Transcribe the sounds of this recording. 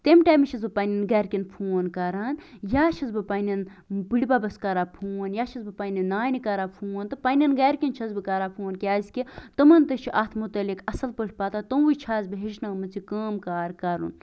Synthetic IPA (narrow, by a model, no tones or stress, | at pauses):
t̪emʈaːmʃʰɐzbɨpaːnʲɐnɡaːɾkʲinpʰoːnkaːɾaːnjaːʃʰɐzbɨpaːnʲɐn | bɨɽʲbabɐskaːɾaːpʰuːnjaːʃʰɐzbɨpaːnʲɐnːaːjnikaːɾaːpʰuːnt̪ɨpaːnʲɐnɡaːɾkʲint͡ʃʰɐzbɨkaːɾaːpʰoːnkʲaːsʲkʲit̪ɐmɐnt̪ɐt͡ʃʰiʔat̪ʰmut̪ɐlikɐsɐlpəʈʰʲpaːt̪at̪ɐwɨt͡ʃʰaːzbɨɦeʃnamɐt͡sʰikəːmkaːɾkaɾṵn